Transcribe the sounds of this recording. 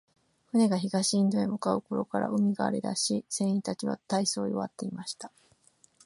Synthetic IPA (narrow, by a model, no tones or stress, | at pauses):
ɸɯ̟ne̞ɡaçiɡaɕĩːnd̪o̞ẽmokaɯ̟ko̞ɾo̞kaɾa̰ɯ̟mʲiɡa̰ːɾe̞d̪a̰ɕisẽ̞ɰ̃ĩt̪at͡ɕiβa̰t̪aiso̞ːjo̰βa̰t̪ːe̞imaɕi̥t̪ḁ